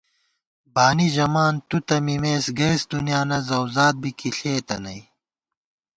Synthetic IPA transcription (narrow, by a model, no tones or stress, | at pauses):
baːniʑɐmaːnt̪ut̪ɐmimeːsɡɐːsd̪unjaːnɐzɐwzaːt̪̚bikiɬeːt̪ɐnɐi